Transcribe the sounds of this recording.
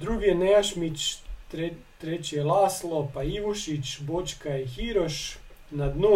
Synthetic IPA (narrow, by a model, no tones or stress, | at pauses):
d̪ɾuːɡijenɛaʃmit͡ʃ | t̪ɾet͡ʃiɛlaːslˠopaiʋuʃit͡ʃbot͡ʃkaixiɾoʃ | nad̪noː